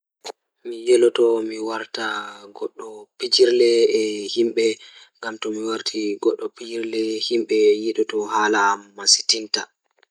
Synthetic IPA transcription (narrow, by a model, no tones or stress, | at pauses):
mijɛlɔtɔmiwaɾtaɡɔɗːɔpid͡ʒiɾlɛːhimɓɛŋɡamtɔmiwaɾtʰiɡɔɗːɔpid͡ʒiɾlɛhimɓɛjiɗɔtɔhaːlamasi̥tinta